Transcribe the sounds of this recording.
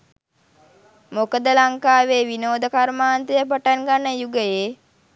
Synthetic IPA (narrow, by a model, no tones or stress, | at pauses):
mokəd̪əlaŋkaːʋeːʋinoːd̪əkaɾmaːnt̪əjəpaʈanɡanːəjuɡəje